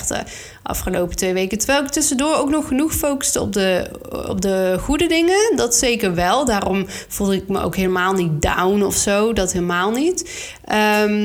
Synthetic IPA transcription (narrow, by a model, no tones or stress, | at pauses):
tə̰ | ʔɑ̰fχəlowpə̥tʋejʋejkətəɹʋɛjlˠɪk̚tʏsəndʊːɹowknɔχːənuχfowkə̥stəɔ̰p̚də | ɔ̰p̚dəχudədɪŋədɑtsejkəɹʋɛlˠdaːrɔm | v̥ulˠdɪkmə̰ʔo̰wkɦejləmaːlˠnit̚da̰wnɔfsowdɑtɦeːləmaːlˠnit | ʔəm